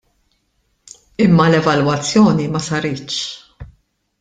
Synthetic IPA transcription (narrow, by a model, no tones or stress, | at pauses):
ɪmːɐlɛvɐlwɐt͡sːjɔːnimɐsɐɾɪːʃ